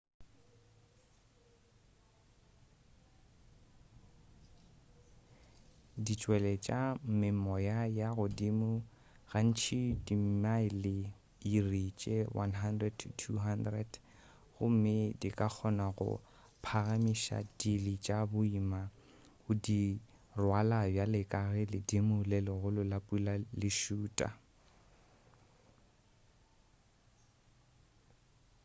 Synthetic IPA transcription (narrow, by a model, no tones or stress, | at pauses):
dit͡ʃʼwɛlɛt͡ʃʼam̩mɪmɔjajaɣʊdimʊ | ɣan̩t͡ʃʰidim̩maɪlɪ | irit͡ʃʼɛwʔanɦandrɛdtʰuɦandrɛd | ɣʊm̩mɪdikʼak͡xʰɔnaɣʊ̰ | pʰaɣamiʃa̰dilit͡ʃʼabʊima | ʊdi | rwalajalɪkʼaɣɪlɪdimʊlɛlɔɣʊlʊlapʼulalɪʃuːtʼa̰